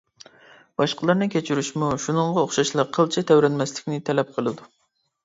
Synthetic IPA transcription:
b̥ɑʃqəlˠɑɾnɨkʲʰet͡ʃʰyɾyʃmuʃunɨɴʁɑoχʃɑʃlˠɑqʰəlˠt͡ʃʰɛt̪ʰɛwɾɛnmɛslɪkʲnɪt̪ʰɛlɛp̚qʰəlˠɨd̪u

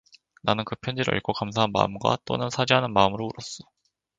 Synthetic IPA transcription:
nanɯnkɯpʰjʌnd͡ʑiɾɯ̰ḭɭkʰokamsʰaɦanma̰ɯmɡwa̰t͈o̰nɯnsʰad͡ʑiɦanɯnmaɯmɯɾouɾʌs͈o̥

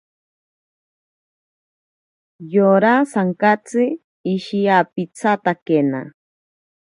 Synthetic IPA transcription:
joɾasaŋkat͡sɨː | ʃiapit͡sʰat̪akena̰

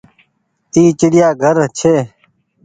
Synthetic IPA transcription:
t̪iːt͡ɕiɽijaːɡʱəɾt͡ɕʰeː

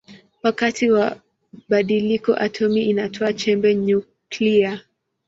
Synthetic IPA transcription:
wakatiwa | ɓaɗilikɔ̰ʔatʰɔmiʔinatʰɔat͡ʃɛmbɛɲu | klia

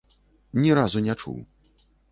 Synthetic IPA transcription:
nʲiɾazunʲɛt͡ʂṵw

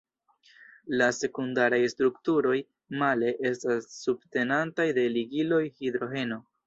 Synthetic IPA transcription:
lase̞kundaɾajstɾuktuɾo̞j | male̞ʔe̞stasːubte̞nantajde̞liɡilo̞jhid̪ɾo̞ɦe̞no̞

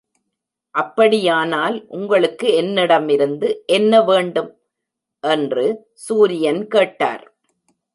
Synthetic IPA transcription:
ʔɐpːɐɽɪjaːnaːlʔʊŋɡɐɭɯkːɯɛnːɪɽɐmɪɾɯnd̪ɯʔɛnːɐʋeːɳɖɯm | ʔɛndrɯ | suːɾɪjɐnkeːʈːa̰ːɾ

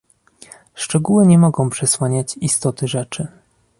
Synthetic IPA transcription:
ʂt͡ʂɛɡuwɘɲɛmɔɡɔ̃w̃pʂɛswaɲat͡ɕist̪ɔt̪ɘʐɛt͡ʂɘ

